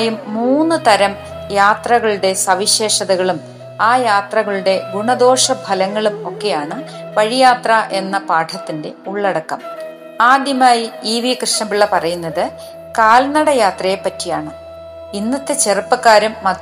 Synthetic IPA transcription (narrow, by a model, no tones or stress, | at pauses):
jumːuːnːɨt̪ɐɾɐm | jaːt̪rɐɣɐɭuɽe̞sɐʋiɕe̞ːʂɐðɐɣɐɭum | aːjaːt̪rɐɣɐɭuɽe̞ɡuɳɐd̪o̞ːʂɐbʱɐlɐŋːɐɭumo̞kːe̞jaːɳɨ | ʋɐɻijaːt̪rɐʔe̞nːɐpaːʈʰɐt̪ːinde̞uɭːɐɽɐkːɐm | aːd̪jɐmaːjiiːʋijɐkrɨʂnɐmbiɭːɐpɐrɐjunːɐðɨ | kaːlnɐɽɐjaːt̪rɐjepːɐtːijaːɳɨ | inːɐt̪ːet͡ɕerɨpːɐkːaːɾɐmːɐ